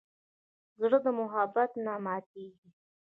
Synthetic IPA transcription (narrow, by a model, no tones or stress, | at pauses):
zɽəd̪əmʊɦabat̪namɑt̪̚eɡi